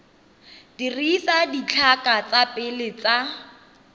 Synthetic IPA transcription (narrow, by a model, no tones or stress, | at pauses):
dirisadit͡ɬʰakʼat͡sapʼɪlɪt͡sa